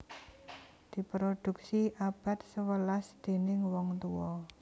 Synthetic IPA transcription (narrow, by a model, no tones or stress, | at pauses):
d̪̥i̤pɾod̪̥ṳk̚siʔab̥a̤t̪̚səwəlasd̪̥e̤nɪŋwɔŋt̪uwɔ